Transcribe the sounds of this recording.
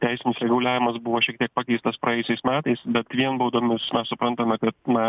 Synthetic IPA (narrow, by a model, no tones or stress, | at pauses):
t̪ʲæɪsʲɪnʲɪsʲɾʲɛɡʊlʲæːʋʲɪmɐsbʊʋoːʃʲiɛk̚t̪ʲiɛk̚pɑkʲɛɪst̪ɐspɾʔɐjɛjʊsʲɛɪsmʲæːt̪ɐɪsbʲɛt̪ʋʲiɛnboʊd̪oːmʲɪsmʲɛssʊpɾɐnt̪ɐmʲɛkɐt̪nɐ